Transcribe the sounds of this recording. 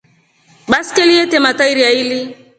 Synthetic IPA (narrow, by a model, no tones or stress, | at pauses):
ɓaskɛliɛtɛmataiɾiaili